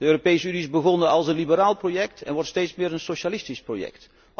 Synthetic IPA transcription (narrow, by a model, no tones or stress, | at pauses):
dəøːropejsəyniɪzbəɣɔnəɑlˠsənlibəɾaːlˠprojɛktʰɛ̰nʋɔɹtstejtsmɪːɹənsoʃalɪstisprojɛ̰kt